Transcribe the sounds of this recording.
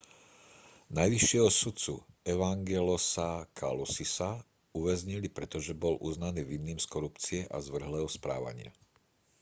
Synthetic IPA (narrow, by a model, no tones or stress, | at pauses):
najʋiʃːɪɛɦɔsut͡sṵɛʋaŋɡɛlɔsakʰa̰lusisa | uʋɛzɲilipɾɛt̪ɔʒɛbɔlʔuznaniːʋinːiːmskɔɾupt͡siɛʔa̰zʋr̩ɦlɛːɦɔspɾa̰ːʋa̰ɲɪa̰